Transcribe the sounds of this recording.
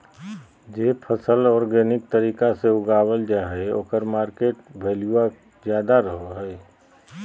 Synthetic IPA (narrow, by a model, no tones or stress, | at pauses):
d͡ʒeːpʰəsəlɔːɾɡeːnɪk̚t̪əɾiːkaseʊɡaːwəld͡ʒaːɦeo̰ːkəɾmaːɾkeːʈ̚bʱeːliwa | zjaːd̪aɾəɦoɦɛ